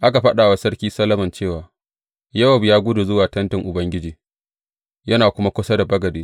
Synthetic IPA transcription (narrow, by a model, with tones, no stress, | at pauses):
ʔa˦ka˨ɸɐ˦ɗaː˨wa˦sɐ˦rkʲiː˦sɐ˦lɐ˦mɐ˨nt͡ʃeː˦˨waː˨ | jɐ˦wɐ˨bjaː˦ɡʷʊ˦du˨zʊ˦waː˨tɐ˦ntɪ˨ŋʔʊ˨bɐ˦ŋɡʲɪ˦d͡ʒiː˨ | jɐ˦naː˨kʷʊ˦ma˦kʷʊ˦sɐ˦da˨bɐ˦ɡɐ˨deː˦